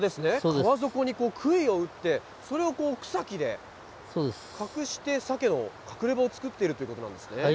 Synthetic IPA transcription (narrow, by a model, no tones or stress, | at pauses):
d̪e̞sɨne̞okːaβazo̞ko̞ɲ̟iko̞ːkʰɯ̟io̞ɯ̟t̪ːe̞ | so̞ɾe̞o̞ko̞ːkɯ̟̥sakʲid̪e̞̰ | soːd̪eskakɯ̟ɕi̥t̪e̞sake̞no̞̰kʰakɯ̟ɾe̞baot͡sɨ̥kɯ̟t̪ːe̞iɾɯ̟t̪o̞iɯ̟ko̞t̪onã̰nd̪sɨne̞